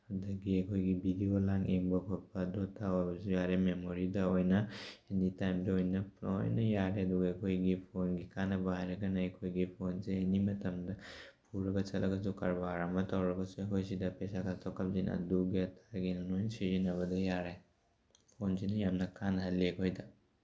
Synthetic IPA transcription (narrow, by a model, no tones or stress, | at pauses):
hadɐɡiɐkʰojɡibidiolaŋeŋbɐpʰɔl̚pɐdotʰawabɐzujaɾememoɾidɐojnɐenitajmdɐojnɐpo̰jnɐjaɾeɐduɡɐɐkʰojɡipʰonɡikanɐbɐhajɾɐɡɐnɐɐjkʰojɡipʰonseenimɐtɐmdɐpʰuɾɐɡɐt͡ʃɐtlʔɐ̰ɡɐzuka̰ɾbaaɾamɐtʰawɾɐɡɐsuɐkʰojsidɐpesakʰatʰɔwkʰap̚zinɐ̰duɡiɐtʰaɡinɐnojnsizinɐβɐdɐjaɾej | pʰonsinɐjamnɐkʰanɐɦlekʰojdɐ